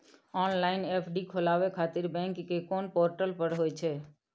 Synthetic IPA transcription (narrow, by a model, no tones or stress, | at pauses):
ɔːnlaːɪneːpʰɖikʰolaːʋekʰaːt̪ɪɾbɛ̃ŋkːekoːnpoːɾʈəlpəɾɦoːjt͡ʃʰeː